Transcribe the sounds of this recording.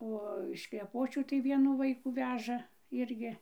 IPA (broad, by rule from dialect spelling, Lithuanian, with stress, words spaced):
ˈoː ɪʃ klʲɛˈpoːt͡ʃʲuː tɐɪ ˈʋʲiɛnuː ˈʋɐɪkuː ˈʋʲæːʒɐ ˈɪrʲɡʲɪ